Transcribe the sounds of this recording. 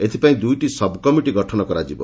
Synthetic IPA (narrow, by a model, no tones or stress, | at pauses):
et̪ʰipaĩd̪ujʈisɔbkɔmiʈiɡɔʈʰɔnɔkɔɾad͡ʒibɔ̰